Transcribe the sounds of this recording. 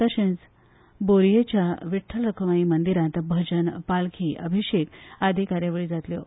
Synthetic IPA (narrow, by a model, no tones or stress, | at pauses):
əɕẽt͡s | boɾjet͡ɕjaʋiʈʰːəlɾəkʰəʋaimənd̪iɾãt̪bʱəd͡ʑənpalkʰiːʔəbʱiɕekad̪ʱikaɾjaʋeɭiːd͡zat̪ljo